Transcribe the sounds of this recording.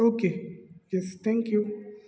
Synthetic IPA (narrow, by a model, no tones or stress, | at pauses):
okejɛst̪ʰɛ̃ŋkju